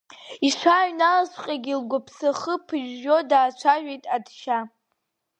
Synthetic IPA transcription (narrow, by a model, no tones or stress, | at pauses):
iʂʷaɥnalasʷqʲʼaɡʲilɡʷapʰsaχəpʰɨʒːo̞daːt͡ʃʷʰaʒᶣʷejtʼadʃa